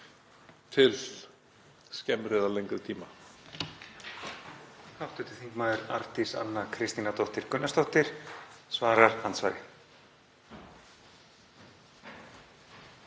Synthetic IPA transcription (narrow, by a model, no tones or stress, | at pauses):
t̪ʰɪl | scɛmɾɪːðalejŋkʏðt̪ʰiːma | hawht̪ʏht̪ɪ̥θiŋkmaːðɪɾa̰ɾt̪isa̰nːakʰɾɪst̪inat̪ɔht̪ɪɾkʏnːast̪ɔht̪ɪɾ̥svaːɾaɾ̥hansva̰ːjɾɪ